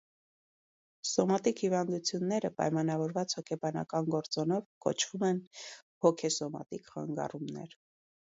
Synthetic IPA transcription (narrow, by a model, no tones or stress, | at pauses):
sɔmɑt̪ikhivɑnd̪ut͡sʰjunːɛɾəpɑ̰jmɑnɑvɔɾvɑt͡shɔkʰɛbɑnɑ̰kɑnɡɔɾt͡sɔnɔvkɔ̰t͡ʃʰv̥umɛn | hɔkʰɛsɔmɑ̰t̪ikχɑ̰ŋɡɑ̰rumnɛ̰ɾ